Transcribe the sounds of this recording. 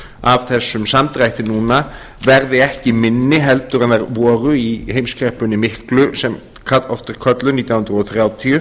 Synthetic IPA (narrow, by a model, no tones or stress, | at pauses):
ʔavθɛsʏmsamt̪ɾajt̪ɪnuːna | vɛɾðɪɛhcɪmɪnːɪɦɛlt̪ʏɾɛnðɛɾʋoːɾʏihejmskʰɾɛhpʏnimɪhklʉsɛm | kʰalt̪ɔft̪əɾkʰœt̪lənit̪inhnɾɔtθʰɾeːɔt̪ʰi